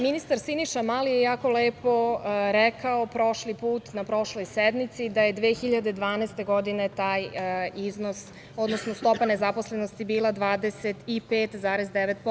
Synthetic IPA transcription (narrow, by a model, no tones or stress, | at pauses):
minist̪aɾsiniʃamalijejaːko̞leːpo̞ɾɛkaopɾo̞ʃlipuːt̪napɾo̞ʃlˠo̞jsed̪mit̪sid̪aje̞d̪ʋeːxiʎad̪e̞d̪ʋaːnɛst̪e̞ɡo̞d̪ine̞t̪aːjizno̞s | o̞d̪no̞snost̪o̞pane̞zapo̞sle̞nost̪ibiːlˠad̪ʋaːd̪e̞se̞t̪ipeːt̪zaːɾezd̪eʋet̪̚po